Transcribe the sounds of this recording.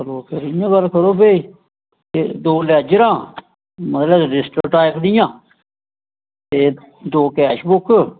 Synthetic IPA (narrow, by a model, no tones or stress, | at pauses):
kʰəɾoːkʰeɾijãːɡəlkʰəɾoːbei | t̪eːd̪oːlad͡ʒɾãː | mət̪ləɖɪsʈəkʈaːɪkd̪ɪjãː | t̪eː | d̪oːkɛːʃbʊkʰː